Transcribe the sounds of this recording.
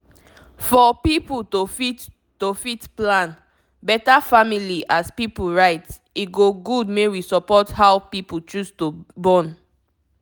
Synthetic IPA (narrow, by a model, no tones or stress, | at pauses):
fɔpiputofit | tofitplãn | bɛtafamiliʔaspipuɹaɪts | iɡoɡudmewisɔpɔthawpiput͡ʃustobɔ̃n